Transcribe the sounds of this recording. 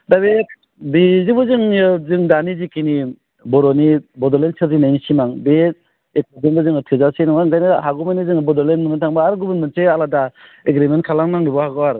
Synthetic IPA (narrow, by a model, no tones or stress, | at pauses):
dabe | bizibɯzɯŋɯzɯŋdanizikini | bɔɾɔnibɔdɔlensɯɾzinajnisimaŋbe | ek̚ɔzɯŋbɯzɯŋɯtʰizasenɔŋaɯŋɡajnɯhaɡumanizɯŋbɔdɔlenːɯŋɯtʰaŋbaaɾɡubɯnmɯnsealada | eɡɾiment̚kʰalaŋnaŋɾibɔhaɡɔaɾ